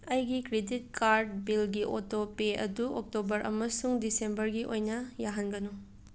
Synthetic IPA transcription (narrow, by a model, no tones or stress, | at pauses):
ɐjɡikɾedit̚kʰaɾdbilɡiʔotopeɐ̰duɔk̚tobɐɾʔɐ̰mɐsuŋdisembɐɾɡiʔojnɐjaɦɐnɡɐnu